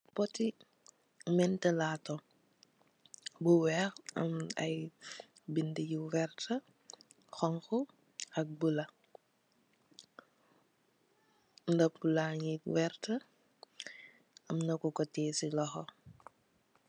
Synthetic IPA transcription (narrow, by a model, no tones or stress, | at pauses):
pɔti | mɛntɛlaːtɔ | buwɛxɐ̰mɐ̰j | bindijiwɛrtʰɐ | xɔŋxu | ɐk̚bulɐ | ndɐpulaːɲiwɛrtə | ɐmnɐkukɔtɛːsilɔxɔ